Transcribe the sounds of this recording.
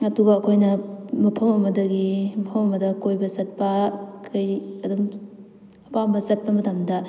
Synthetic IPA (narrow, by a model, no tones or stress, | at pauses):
ɐduɡɐːkʰojnɐmɐpʰɐmɐmɐdɐɡimɐpʰɐmɐmɐdɐkojbɐzɐt̚pɐkʰɐjɾiɐdɐm | ɐpambɐzɐt̚pɐmɐtɐmdɐ